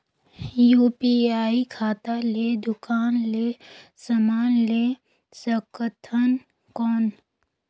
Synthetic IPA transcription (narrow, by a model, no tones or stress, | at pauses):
juːpiaːikʰaːt̪aleːd̪ʊkaːnlesəmaːnle | səkət̪ʰən | kɔːn